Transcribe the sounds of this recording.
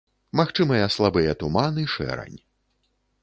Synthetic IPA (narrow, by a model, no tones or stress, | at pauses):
maxt͡ʂɨmɐjɐslˠabɨjɐt̪umanɨʂɛ̰ɾɐ̰nʲ